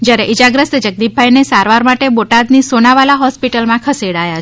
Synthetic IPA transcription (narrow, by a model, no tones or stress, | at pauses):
d͡ʒjaɾeʔid͡ʒaɡɾəst̪d͡ʒəɡ̚d̪ibbʱajnesaɾʋaɾmaʈeboʈad̪nisonaʋalaɦɔspiʈəlmãkʰəseɽaja